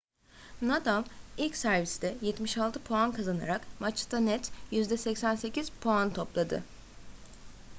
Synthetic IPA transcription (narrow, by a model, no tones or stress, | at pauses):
nad̪amilʲcʲsæɾvisd̪ɛjɛt̪miʃalˠt̪ʰɯpʰo̞ankʰazana̰ɾakmat͡ʃt̪ʰanɛt̪jyzd̪ɛsɛcsænse̞cʰiz̥pʰo̞ant̪ʰo̞plˠad̪ɯ̰